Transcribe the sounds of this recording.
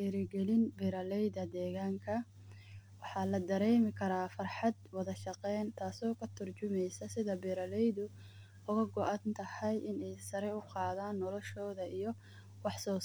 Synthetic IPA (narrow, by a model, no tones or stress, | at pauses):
ɛːɾɪɡɛlɪnbɪɾɐlɛjðɐd̪ɛːɣaːŋkʰɐ | wɑħɑlɐd̪ɐɾɛːmɪkʰɐɾaːfɑrħɑd̪wɑðɐʃɑqɛjnt̪ʰaːsɔːkʰɐt̪ʰʊrt͡ʃʊmɛjsɐsɪðɐbɪɾɐlɛjðʊ | ʊɣɐɡɔʔɐnt̪ʰɐhɐjʔɪnɛjsɐɾɛʊqɑːðaːnːɔlɔʃɔːðɐijɔ | wɑħsɔː